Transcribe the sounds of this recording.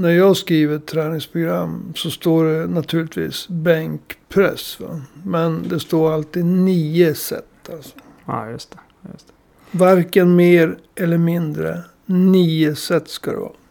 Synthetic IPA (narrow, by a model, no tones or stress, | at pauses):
næɾjɑːɡskɾiːvət̪ʰːɾɛːnɪŋspʰɾʊɡɾamːsɔst̪oːɖɛnat̪ʰʉɭɪt̪ʰvḭːsbɛŋkpʰɾɛ̰sva̰mɛnd̪ɛst̪oːɾalt̪iːd̪niːəsɛ̰t̪ʰːalsɔ̥ | jst̪ | t̪ | vaɾkənmeːɾ | ʔɛlːəɾmɪnd̪ɾə̰ | niːəsɛt̪ːskad̪ɛ̰vɑ̰ː